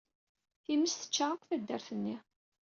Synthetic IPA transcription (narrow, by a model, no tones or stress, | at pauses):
θiməsθə̥t͡ʃːaʁaqʷθæd̪ːəɾθənːi